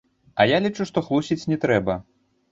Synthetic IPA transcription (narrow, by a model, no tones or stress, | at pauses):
ɐjalʲit͡ʂuʂt̪ɔxlˠusʲit͡sʲnʲɛt̪ɾɛbɐ